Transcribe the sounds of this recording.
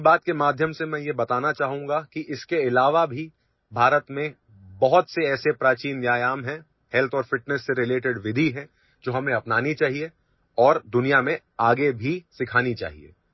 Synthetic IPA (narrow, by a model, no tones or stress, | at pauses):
baːt̪̚kemaːd̪ʱjəmsemɛ̃ːjebɐt̪aːnat͡ʃaːɦũːŋɡakiʔɪskeɪlaːʋabʱi | bʱaːɾət̪mẽ | bɐɦʊt̪seɛːsepɾaːt͡ʃiːnʋjaːjaːmɦɛ̃ | hɛlt̪ʰɔːɾfɪʈnəsːeɾɪleːʈɪɖʋɪd̪ʱiɦɛ̃ | d͡ʒoːɦɐmneɐpnaːnit͡ʃaːɦie | ɔːɾd̪ʊnijamẽ | aːɡebʱisɪkʰaːnit͡ʃa̰ːɦḭḛː